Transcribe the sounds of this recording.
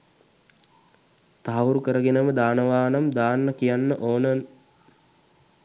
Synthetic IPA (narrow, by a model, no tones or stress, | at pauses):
t̪aɦaʋuɾukəɾəɡenəməd̪aːnəʋaːnamd̪aːnːəkijanːəʔoːnən